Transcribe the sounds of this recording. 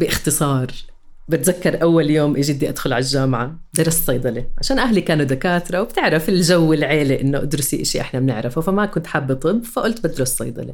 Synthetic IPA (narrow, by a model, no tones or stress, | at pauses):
bɪʔɪxt̪ɨsˤɑːɾˤ | bɪt̪zakːɑɾˤʔawːaljoːmʔɪʒɪd̪ːiʔad̪xʊlʕalʒːaːmʕa | d̪ɑɾˤɑssˤɑjd̪ˤɑleʕaʃaːnʔaɦlikaːnud̪akaːt̪ɾˤɑwb̥t̪ɪʕɾafɪlʒawːɪlʕeːliʔɪnːoʔad̪ɾʊsiʔɪʃiʔɪ̰ħnamɪnɪ̰ʕɾɪfufamakʊnt̪ħabːɨt̪ˤɨbːfaʔʊlt̪bɪd̪ɾˤʊsːɑ̰jd̪ˤɑ̰lḛ